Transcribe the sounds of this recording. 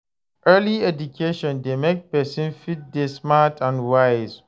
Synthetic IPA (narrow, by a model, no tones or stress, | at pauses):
ʔɜliɛdukʰeʃɔ̃ndemek̚pɛsĩnfit̚desmatʰãndwaɪz